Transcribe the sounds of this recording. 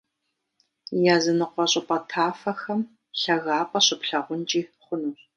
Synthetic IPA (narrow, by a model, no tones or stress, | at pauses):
jaːzɨnɨqʷɔɕʼɪpʼɐtʰaːfɐxɐm | ɬɐɣaːpʼɐɕʼɪpɬɐʁʷʊnt͡ʃʼiːχʷʊnuːɕʼ